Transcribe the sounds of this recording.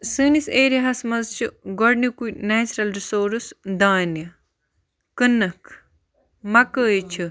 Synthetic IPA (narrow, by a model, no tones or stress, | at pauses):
sɨːniseːɾjɐɦɐsmɐzt͡ʃʰiɡɔɾnikuneːt͡ʃɾɐlɾisoːɾusd̪aːnjɐ | kɨnɐkʰ | mɐkəːjt͡ʃʰi